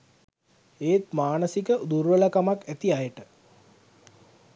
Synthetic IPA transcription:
eːt̪maːnəsikəud̪uɾʋələkamakæt̪iajəʈə

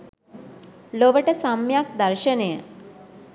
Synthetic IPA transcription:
loʋəʈəsamjak̚d̪əɾɕənejə

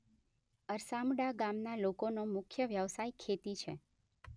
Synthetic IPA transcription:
əɾsamɽaɡamnalokonomʊkʰjəʋjəʋsajkʰet̪it͡ʃʰe

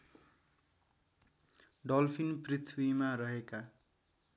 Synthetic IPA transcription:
ɖʌlpʰinprit̪ʰwimarʌɦeka

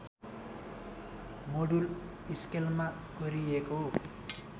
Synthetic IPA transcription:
moɽul | iskelma | ɡ̥ʌɾieko

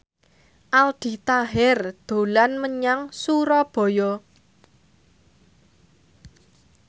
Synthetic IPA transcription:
ʔald̪̥i̤t̪aɦɪrd̪̥o̤lanməɲaŋsuɾɔb̥ɔ̤jɔ

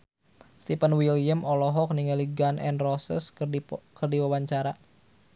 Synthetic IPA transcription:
st̪ipənwiljəmɔlɔɦɔk̚niŋəliɡanʔɛ̰nrɔsə̰skərdiwawaɲt͡ʃaɾa

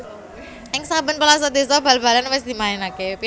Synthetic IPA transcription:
ɪŋsabənpəlas̬ɔd̪i̤sɔb̥a̤lb̥a̤lanwɪsd̪̥i̤maɪnakep

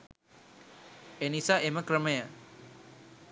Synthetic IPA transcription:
enisaʔeməkɾəməja

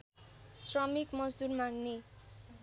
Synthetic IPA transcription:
srʌmikmʌd͡zd̪urmaŋne

